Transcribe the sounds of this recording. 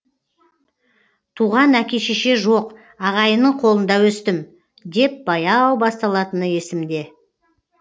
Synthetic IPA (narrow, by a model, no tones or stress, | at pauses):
t̪ʰuʁɑnækʲe̞ʃeʃe̞ʒo̞q | ɑʁɑjənəɴqʰo̞lˠənd̪ɑwɵst̪ɪm | d̪e̞p̚b̥ɑjɑwbɑst̪ɑlˠɑt̪ənəje̞sɪmd̪e̞